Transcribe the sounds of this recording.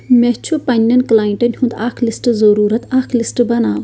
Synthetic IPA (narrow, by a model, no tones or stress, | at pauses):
met͡ʃʰupɐnʲːɐnklaːjiɳʈɐnʲhũnd̪akʰlisʈɨzɐɾuːɾɐt̪ɐːkʰlisʈɨbɐnaːw